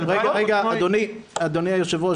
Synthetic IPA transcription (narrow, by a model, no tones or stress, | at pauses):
ʁeɡaʁeɡaad̪oniad̪oniajoʃevo